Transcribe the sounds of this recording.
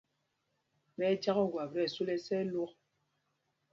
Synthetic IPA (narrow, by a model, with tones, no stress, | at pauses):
bɛ˦t͡ʃa˦ɣɔ˦˨ɡwa˨bɾɛ˦˨su˦lɛ˦sɛ˦lu˦k̚